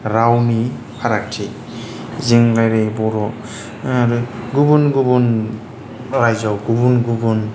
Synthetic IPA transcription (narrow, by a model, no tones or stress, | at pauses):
ɾawni | pʰaɾak̚tʰi | ziŋlajɾejbɔɾɔ | aɾɯɡubunɡubɔn | ɾajzɔwɡubunɡubɔn